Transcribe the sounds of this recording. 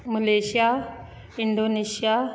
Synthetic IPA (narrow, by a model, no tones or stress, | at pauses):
məleɕija | iɳɖonesija